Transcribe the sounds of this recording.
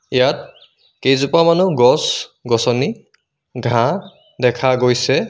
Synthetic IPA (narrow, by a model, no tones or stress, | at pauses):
ijat̚ | kejzupamanuɡɔsɡɔsɔni | ɡʱã | dɛkʰaɡojsɛ